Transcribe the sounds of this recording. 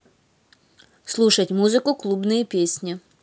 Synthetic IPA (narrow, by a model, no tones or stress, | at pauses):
slˠuʂɐtʲmuzɨkʊklˠubnɨjɛpʲesʲnʲi